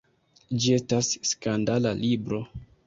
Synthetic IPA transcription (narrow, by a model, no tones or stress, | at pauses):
d͡ʒie̞stasːkandalalibɾo̞